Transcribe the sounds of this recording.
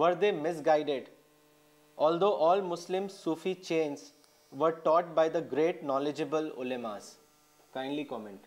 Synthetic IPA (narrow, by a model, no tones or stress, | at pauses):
ʋəɾd̪eːmɪs̬ɡaɪɖeɖ | ʔɔːld̪oːʔɔːlmʊslɪ̃msuːfit͡ʃẽːns | ʋəɾʈɔːʈ̚baɪd̪əɡɾeːʈnɔːlɪd͡ʒəbəlʊ̰lemaːz | kãɪ̃ɳɖlikɔːmɛ̃ɳʈ